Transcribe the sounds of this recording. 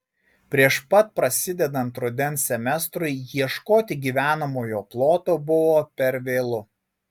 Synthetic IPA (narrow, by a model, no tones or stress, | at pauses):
pʲɾʲiɛʃpɐt̪̚pɾɐsʲɪd̪ʲɛd̪ɐnt̪ɾʊd̪ʲɛnsʲɛmʲɛst̪ɾʊɪjiɛʃkoːt̪ʲɪɡʲiːʋʲæːnɐmoːjoːplˠoːt̪oːbʊʋoːpʲɛɾʋʲeːlˠʊ